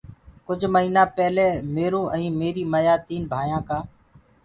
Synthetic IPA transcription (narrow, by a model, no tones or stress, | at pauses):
kʊd͡ʒʱməɦiːnaːpɛːleːmeːɾoːʔə̃ĩːmeːɾiːməjaːt̪iːnbʱaːjãːkaː